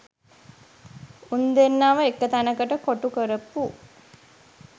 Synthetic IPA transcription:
und̪enːaːʋəekːət̪ænəkəʈəkoʈukəɾəpːu

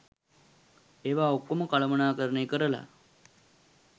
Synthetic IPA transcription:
eːʋaːokːoməkaləmənaːkəɾənekəɾəla̰

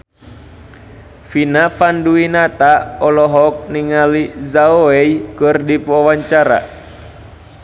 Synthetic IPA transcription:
finafanduinat̪aɔlɔɦɔk̚niŋalizaoɛijkɨrdipawaɲt͡ʃaɾa̰

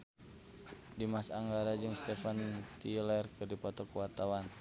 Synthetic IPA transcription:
dimasaŋɡaɾad͡ʒɨŋst̪ɛfant̪ilɛrkɨrdipɔt̪ɔkwart̪awan

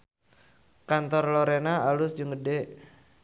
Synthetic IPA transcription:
kant̪ɔrlɔɾenaʔalʊsd͡ʒuŋɡədeʔ

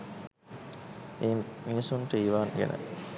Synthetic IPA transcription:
ʔeːmiisuɳʈəiʋaːŋɡḛnʔə̰

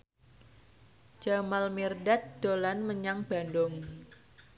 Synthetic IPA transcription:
d͡ʒ̥amalmirdat̪̚d̪̥olanməɲaŋb̥a̤ndɔŋ

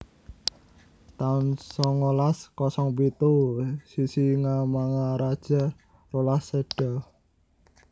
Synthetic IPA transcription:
t̪aʊnsɔŋolaskɔsɔŋpit̪usisiŋamaŋaɾad̥ʒ̥a̤ | rolasːeɖ̥a

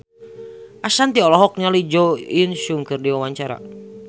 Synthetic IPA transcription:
ʔasant̪iɔlɔɦɔk̚nalid͡ʒɔinʃuŋkɨrdiwawaɲt͡ʃaɾa̰

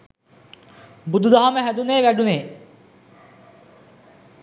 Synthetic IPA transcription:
bʊd̪ʱd̪aɦamẽɦɛd̪uneːʋɛɖuneː

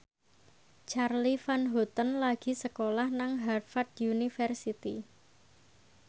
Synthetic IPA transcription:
t͡ʃarlifanɦɔt̪ənlaɡ̥i̤səkolahnaŋɦarfad̪junifɛrsit̪i

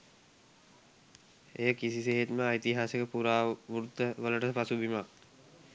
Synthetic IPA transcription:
ḛjəkisiseɦet̪məait̪iɦaːsekəpuɾaːʋuɾut̪əʋələʈəpasubimak̚

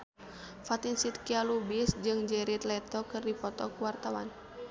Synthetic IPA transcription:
fat̪insit̪kialubisd͡ʒɨŋd͡ʒɛɾit̪lɛt̪ɔkɨrdipɔt̪ɔkuwart̪awa̰n

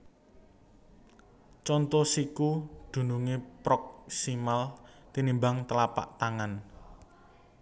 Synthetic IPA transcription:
t͡ʃɔnt̪ɔsikud̪̥ṳnuŋepɾɔk̚simalt̪inimbaŋt̪əlapa̰ʔt̪aŋan

